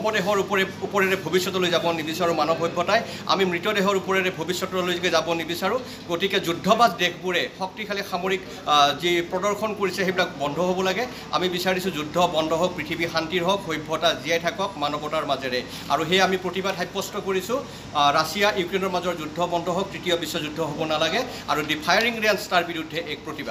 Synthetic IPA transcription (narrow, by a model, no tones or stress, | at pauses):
ɔmɔdɛɦɔɹupɔɹɛupɔɹɛɹɛbʱobisːɔtɔlojzabɔnibisaɹũmanɔbʱɦojbʱːɔtaj | a̰mimɹitɔdɛɦɔɹupɔɹɛɹɛbʱobisːɔtɔlojzɡɛzabɔnibisaɹũ | ɡotikɛzudʱːɔbazdekʰbuɹɛxɔk̚tikʰalixamoɹik | zipɹɔdɔɹkʰɔnkoɹisɛejbilakbɔndʱɔɦobɔlaɡɛ | a̰mibisaɹisʊ̃zudʱɔbɔndʱɔɦɔk̚pɹitʰibixantiɹɦɔkɦojbʱɔtaziajtʰakɔk̚manɔbɔtaɹmazɛɹɛ | a̰ɹuxɛjamipɹotibadɦajpːɔstɔkoɹisʊ̃ | ɹasijaʔjukɹenɔɹmazɔɹzudʱɔbɔndʱɔɦɔk̚tɹitijɔbisːɔzudʱːɔɦobɔnalaɡɛ | a̰ɹudipʰajaɹiŋɹanstaɹbiɹudʱːɛʔɛk̚pɹotibad